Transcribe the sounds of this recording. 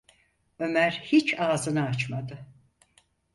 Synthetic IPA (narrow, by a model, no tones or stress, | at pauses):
ø̞mæɾhit͡ʃʰaːzɯnaat͡ʃmad̪ɯ